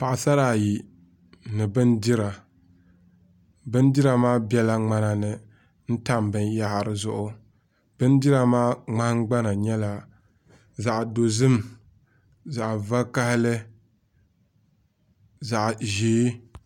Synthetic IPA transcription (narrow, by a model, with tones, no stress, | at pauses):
pa˨ʔsa˦ɾaː˨ji˨ | nɨ˨bɨ˦ndi˦ɾa˨ | bɨ˦n˦dɨ˦ɾa˨maː˦bɛ˦la˦ŋ͡ma˦na˨nɨ˨ | n̩˦ta˦mbɨ˨nja˦ha˨ɾɨ˨zʊ˦ʔʊ˦ | b̥ɨ˦n˦di˦ɾa˨maː˦ŋ͡ma˦hŋ˦ɡ͡ba˦na˨ɲɛ˦la˨ | za˨ʔdo˨zɨ˦m | za˨ʔva˦ka˦hɪ˦lɨ˦ | za˨ʔʒeː˦